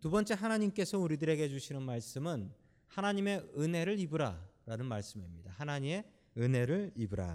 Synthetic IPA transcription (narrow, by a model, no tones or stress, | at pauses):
tubʌnt͡ɕ͈e̞ɦanaɲimk͈e̞sʰʌuɾidɯɾe̞ɡe̞d͡ʑuɕʰinɯnmaɭs͈ɯmɯn | hanaɲime̞ɯnɦe̞ɾɯɾibɯɾa̰ɾanɯnmaɭs͈ɯmimɲidahanaɲime̞ | ɯnɦe̞ɾɯɭibɯɾa̰